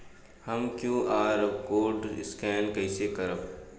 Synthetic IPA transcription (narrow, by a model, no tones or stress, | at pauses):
hɐmkjũːʔaːɾkoːɾɖɪskɛːnkɐɪsekɐɾəb